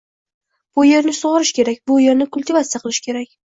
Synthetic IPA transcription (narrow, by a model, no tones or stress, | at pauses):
b̥ʊje̞ɾnɪsʊʁɑɾɪʃkʲe̞ɾakʲbʊje̞ɾnɪkʊlʲt̪ɪvat̪sɪjaqʰɨlˠɪʃkʲʰe̞ɾakʲ